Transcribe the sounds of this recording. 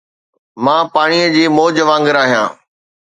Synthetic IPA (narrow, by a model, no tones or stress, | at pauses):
mãːpaːɽ̃iəd͡ʑiːmoːd͡ʑəʋãːŋɡəɾaːɦijã̰ː